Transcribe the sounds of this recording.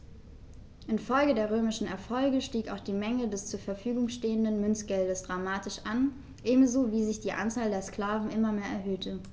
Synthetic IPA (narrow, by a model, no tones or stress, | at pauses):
ʔɪnfɔlɡədeːɐʁøːmɪʃn̩ɛɐfɔlɡəʃtiːka̰ʊxd̥iːmɛŋədɛst͡suːɐfɛɐfyːɡʊŋʃteːəndənmʏnt͡sɡ̥ɛldəsd̥ʁamaːtɪʃʔan | ʔeːbm̩zoviːzɪçd̥iːʔa̰nt͡saːldeːɐskl̥aːvn̩ʔɪmɐmeːɐʔɛ̰ɐɦøːtʰə